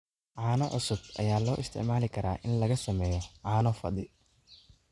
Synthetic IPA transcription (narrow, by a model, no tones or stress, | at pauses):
ʕaːnɐʕʊsʊb̚ʔɐ̰jaːlɔːʔɪst̪ʰɪ̰ʕmaːlɪkʰɐɾa̰ːʔɪnlɐɣɐsɐmɛːjɔʕaːnɔfɐ̰d̪ɪ